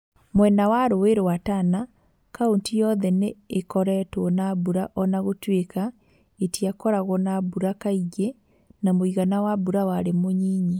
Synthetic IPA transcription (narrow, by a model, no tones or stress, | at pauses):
mwɛnawaɾoeɾowatana | kaontijɔðɛneːkɔɾɛtwɔnabuɾaʔɔnaɣotweka | etiakɔɾaɣɔnabuɾakaiɣe | namoiɣanawabuɾawaɾemoɲiɲi